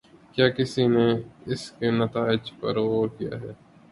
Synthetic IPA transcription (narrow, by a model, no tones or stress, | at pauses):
kjaːkɪsineɪskenɐt̪aːɪd͡ʒpɐ̰ɾokija̰ːɦɛː